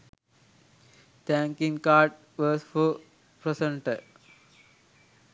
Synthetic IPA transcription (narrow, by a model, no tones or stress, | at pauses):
t̪æ̃ŋkĩŋkaːɾʈ̚ | ʋɔsfo | pɾesə̃ɳʈə